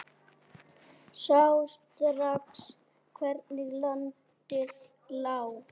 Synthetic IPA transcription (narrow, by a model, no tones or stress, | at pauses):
sawst̪ɾaps | kʰvɛɾt̪nɪɣlɔnt̪ɪ | law